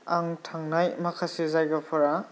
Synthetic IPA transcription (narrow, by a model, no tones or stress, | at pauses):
aŋtʰaŋnajmakʰasizajɡapʰɔɾa